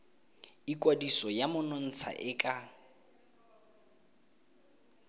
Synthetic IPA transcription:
ikʼwadisɔjamʊnɔn̩t͡sʰa̰ʔɪkʼa

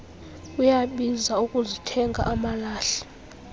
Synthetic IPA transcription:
ujaɓizaukʼuzitʰɛŋɡʱa̰ʔamalaːɬɛ̥

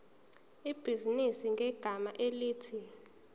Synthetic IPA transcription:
ib̥ʱizinisiŋɡʱɛɡ̥ʱamaʔeliːtʰi

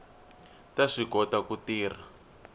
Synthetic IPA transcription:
taʂikɔtakutiːr̤a

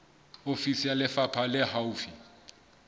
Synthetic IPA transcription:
ofisijalɛfapʰalɛhaufi

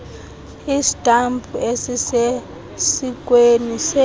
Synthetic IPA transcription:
isi̥tambʰʱuʔesise | sik̬ʼwenisɛ

